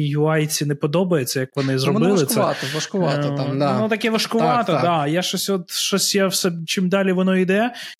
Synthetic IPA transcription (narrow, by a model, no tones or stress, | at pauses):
jʊɑjt͡sʲinepɔd̪ɔbɐjet͡sʲːɐjɐkʋɔnɪzɾɔbɪlˠɪsʲɐɑt̪ɔɐʃkʊʋɑnut̪ɐkɛʋɐʃkʊʋɑt̪ɔd̪ɑjaʃɔsʲɔt̪ʃt͡ʃɔsʲjawsɛt͡ʃɪmd̪ɑlʲiʋɔnɔid̪ɛ